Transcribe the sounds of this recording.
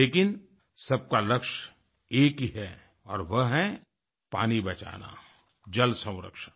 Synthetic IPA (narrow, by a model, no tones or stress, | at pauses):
leːkɪn | sɐb̚kalɐkʃ | eːkiɦɛ | ɔ̰ːɾʋɐɦɛ̃ | pa̰ːnibɐt͡ʃa̰ːna̰ | d͡ʒɐlsɐ̃w̃ɾə̰kʃə